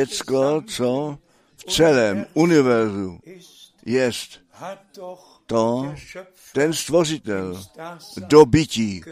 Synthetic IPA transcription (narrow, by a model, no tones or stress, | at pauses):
ɛt͡skɔt͡so | ft͡sɛlɛːmunɪvɛɾzu | jɛst̪ | t̪o | t̪ɛnst̪voʐɪt̪ɛl | dobɪci